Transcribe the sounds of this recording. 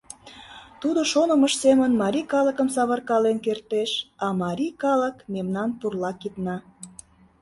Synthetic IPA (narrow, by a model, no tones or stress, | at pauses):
t̪ud̪oʃonəməʃsemənmɑɾʲikɑləkəmsɑβə̆rkɑlenkert̪eʃɑmɑɾʲikɑləkmemnɑnpurlɑkit̪nɑ